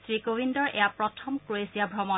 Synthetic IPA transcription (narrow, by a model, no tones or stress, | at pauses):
sɹikowindɔɹʔḛjapɹɔtʰɔmkɹoesiabʱɹɔmɔ